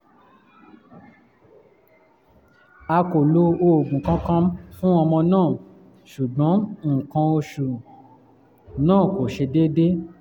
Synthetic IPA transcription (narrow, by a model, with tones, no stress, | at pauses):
a˧ko˨lo˧˦o˧o˨ɡũ˨kã˦kã˦m˦fũ˦ɔ˧mɔ̃˧nãː˦˨ | ʃu˨ɡ͡bɔ̃˨˦˨kã˧o˧ʃu˨ | nãː˦˨ko˨ʃe˧de˦de˦